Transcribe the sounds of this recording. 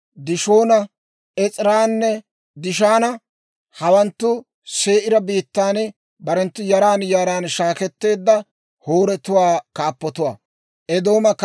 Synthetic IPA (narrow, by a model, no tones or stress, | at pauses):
d̪ɪʃo̞ːnɐ | ɛt͡sʼɪɾaːnːɛ | d̪ɪʃ̬aːnɐ | hɐwɐnt̪ːʊ | se̞ːʔɪɾɐbiːt̪ːaːn | bɐɾɛnt̪ːʊjɐɾaːnjaːɾaːnʃaːkɛt̪ːe̞ːd̪ːɐ | hoːɾɛt̪ʊwaːkaːpːɔt̪ʊwa̰ː | ʔɛd̪o̞ːmɐk